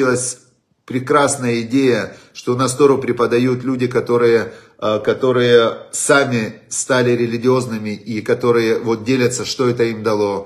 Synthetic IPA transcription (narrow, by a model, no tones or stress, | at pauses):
ilˠəsʲ | pɾʲɪkɾasnəjəɪdʲejə | ʂt̪onast̪o̞ʐʊpɾʲɪpəd̪ɐjut̪lʲudʲɪkɐt̪o̞ɾɨjə | kɐt̪o̞ɾɨjəsamʲɪst̪alʲɪɾʲɪlʲɪɡʲɪo̞znɨmʲɪikɐt̪o̞ɾɨjəvo̞t̪̚dʲelʲət̪səʂt̪o̞ɛt̪əimd̪ɐlˠo̞